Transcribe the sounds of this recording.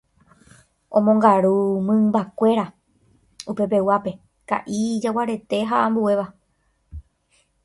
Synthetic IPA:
õ̞mõŋɡaɾumɨ̃mbakʷe̞ɾa | upe̞pe̞wape̞ | ka̰ʔid͡ʒawaɾe̞t̪e̞ɦaʔãmbue̞ʋa

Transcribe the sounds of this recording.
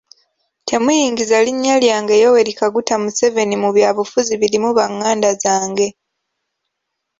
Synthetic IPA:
tʰe̞mujiːŋɡizaliɲːaljaːŋɡejowe̞ɾikaɡutamuse̞ve̞nimuβjaːβufuziβilimuβaŋːaːndazaːŋɡe̞

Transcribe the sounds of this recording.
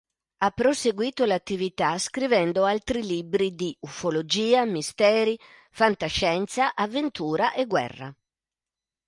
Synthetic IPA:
apːɾoseɡwiːt̪olat̪ːivit̪askɾivɛnd̪oalt̪ɾiliːbɾid̪iufolod͡ʒiːamist̪ɛːɾi | fant̪aʃːɛnt̪saʔavːent̪ʰuːɾaʔɛɡwɛ̰rːa̰

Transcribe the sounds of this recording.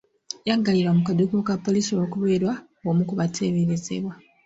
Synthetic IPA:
jaːŋɡaliɾamukadukokapːo̞lisoβokuβeːɾwa | omukuβatʰeːβiɾizḛβwa

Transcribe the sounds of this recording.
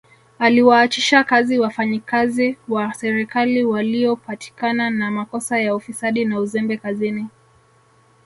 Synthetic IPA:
aliwaːt͡ʃiʃakaziwafaɲikaziwasɛɾikaliwaliɔpati̥kananamakɔsajaufisaɗinauzɛmbɛkazini

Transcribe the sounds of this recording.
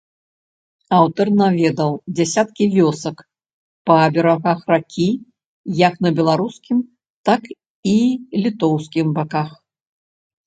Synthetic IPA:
awt̪ɐrnavʲɛd̪ɐwd͡zʲasʲat̪kʲivʲɔsɐk | pɐːbʲɛɾaɣaxrakʲi | jɐknɐbʲɛlˠaɾuskʲim | t̪ak | ilʲit̪ɔwskʲimbakax

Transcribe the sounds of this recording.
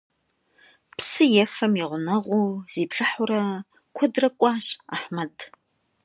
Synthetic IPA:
psɨjɛfɐmiʁʷʊnɐʁʷuːz̥iːpɬʼɨħʊɾɐ | kʷʰɔdrɐkʷʼɑːɕʼa̰ħmɐtʰ

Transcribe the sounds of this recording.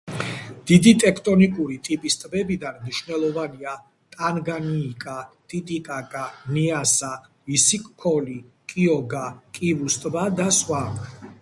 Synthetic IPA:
d̪̥id̪it̪ʼɛkʰt̪ʼɔnikʼuɾit̪ʼipʼist̪ʼbɛbid̪anmniʃvnɛlˠɔvania | t̪ʼanɡaniːkʼat̪ʼit̪ʼikʼaɡaniasa | visikʼkʰɔli | kʼiɔɡakʼivust̪ʼbad̪aswa

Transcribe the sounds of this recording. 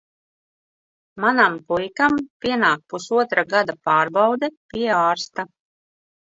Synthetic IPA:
manamkujkampʲiɛnaːk̚pusuɔt̪ɾaɡad̪apaːɾbawd̪ɛpʲiɛaːɾst̪a

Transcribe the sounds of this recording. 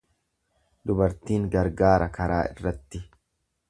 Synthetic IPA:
d̪ʊbɐɾt̪iːŋɡɐɾɡaːɾɐkɐɾaːɪ̰rːɐt̪ːɪ

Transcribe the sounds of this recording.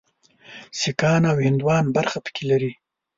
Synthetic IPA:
sikɑːnawhɪnd̪wɑːnbaɾxapə̥kʰelaɾi

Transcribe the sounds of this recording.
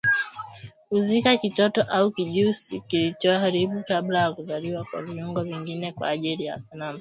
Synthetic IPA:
huzikakitɔtɔʔaukiʄusikilit͡ʃɔahaɾiɓukablajakuzaliwakwa̰viuŋɡɔviŋɡinɛkwa̰ːʄilija̰sanama

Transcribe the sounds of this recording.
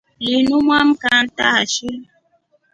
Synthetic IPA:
linumwamkan̩taaʃi

